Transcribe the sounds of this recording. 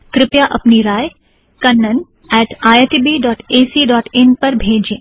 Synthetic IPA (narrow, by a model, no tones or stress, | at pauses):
kɾɪpjaʔɐpniɾaːj | kɐnːən | ɛːʈaːeʈibiːɖɔːʈeːsiɖɔːʈɪnpɐɾbʱeːd͡ʒẽː